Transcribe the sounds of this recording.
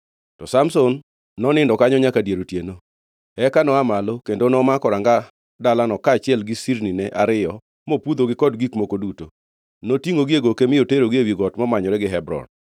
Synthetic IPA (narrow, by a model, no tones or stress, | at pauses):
tɔsamsonː | ɔnɪndɔkaɲɔɲakadjeɾotjeno | ɛkanɔamalokendonɔmakɔɾaŋɡa | dalanɔkaːt͡ʃɪɛlɡɪsiɾninɛʔaɾɪjɔ | mopud̪oɡɪkɔdɡikmokoduto | notiŋɡoɡieɡokemɪoteɾoɡiewiɡɔtmɔmaɲɔɾɛɡɪɦɛbɾɔ̰n